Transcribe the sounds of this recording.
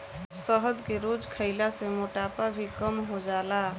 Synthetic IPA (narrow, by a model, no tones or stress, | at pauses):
səɦəd̪keɾoːd͡ʒkʰəɪlasemoʈaːpabʱikəmɦod͡ʒaːlaː